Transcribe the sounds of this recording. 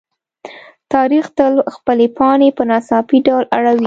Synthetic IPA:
t̪ɑɾixt̪əlxpəlepʰɑnepənasɑfiɖawlʔaɽawi

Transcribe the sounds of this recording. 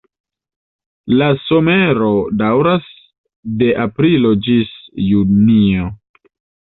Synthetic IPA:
laso̞me̞ɾo̞dawɾas | de̞ʔapɾilo̞d͡ʒisjunio

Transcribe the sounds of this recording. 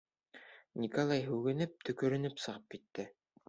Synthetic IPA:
nʲikolˠɑjɦʉɡɘ̆nɘp̚t̪ɵ̆kɵ̆ɾɵ̆nɵpsɤ̆ʁɤp̚kit̪ːɘ

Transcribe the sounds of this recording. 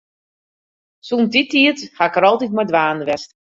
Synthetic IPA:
suːntitʰiəthakəɾɔlˠtitmadʋaːndəʋɛst

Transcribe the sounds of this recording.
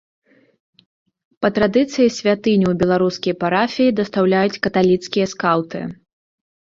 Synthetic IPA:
pɐt̪ɾad̪ɨt̪sɨjisʲvʲat̪ɨnʲiwbʲɛlˠaɾuskʲɐjpaɾafʲijid̪ɐst̪awlʲajut͡sʲkɐt̪alʲit̪skʲijɐskawt̪ɨ̰

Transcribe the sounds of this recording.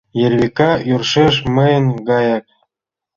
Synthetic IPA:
jerβikɑjurʃeʃmə̆jə̆nɡɑjɑk̚

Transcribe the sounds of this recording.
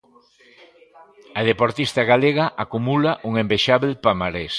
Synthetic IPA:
ɐðepoɾt̪ist̪ɐɣaleɣaʔakumulaʔuŋembeʃaβelpamaɾes

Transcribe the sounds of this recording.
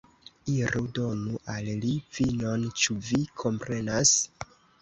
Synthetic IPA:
iɾudo̞nuʔallivino̞nt͡ʃuvikʰo̞mpɾe̞nas

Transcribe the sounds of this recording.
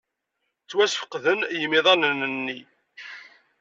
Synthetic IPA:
t͡sːwæsfə̥qðənjəmːiðˤɑnənənːi

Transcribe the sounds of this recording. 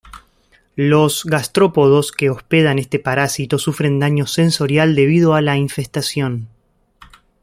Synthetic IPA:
lo̞zɣast̪ɾo̞po̞ð̞o̞skeospe̞ð̞ane̞st̪e̞paɾasit̪o̞sufɾe̞nd̪aɲo̞se̞nso̞ɾjald̪e̞β̞ið̞oalaiɱfest̪asjo̞n

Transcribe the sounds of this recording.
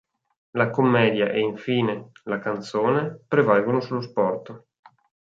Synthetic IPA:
lakomːɛːd̪jaʔeiɱfiːnelakant̪soːnepɾevalɡonosulːospɔrt̪o

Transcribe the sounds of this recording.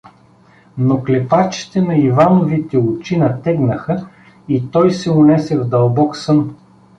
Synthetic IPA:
noklɛpat͡ʃi̥t̪ɛnɐivanovit̪ɛʊt͡ʃinɐt̪ɛɡnəxə | it̪ɔjsɛʊnɛsɛvd̪ɐlˠbɔksɤn

